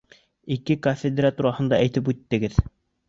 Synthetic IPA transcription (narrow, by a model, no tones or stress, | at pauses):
ikɘkofʲed̪ʲɾat̪uɾɑhɤ̆nd̪ɑʔæjt̪ɘp̬ʉt̪ːɘ̆ɡɘð